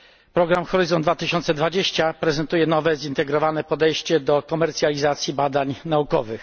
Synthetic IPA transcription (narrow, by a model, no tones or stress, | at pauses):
pɾɔɡɾamxɔɾɘzɔnd̪vat̪ɘɕɔnt̪sɛd̪vad͡ʑeɕt͡ɕapɾɛzɛnt̪ujɛnɔvɛzint̪ɛɡɾɔvanɛpɔd̪ɛjɕt͡ɕɛd̪ɔkɔmɛɾt̪sʲjalʲizat̪sʲjibad̪aɲnaukɔvɘx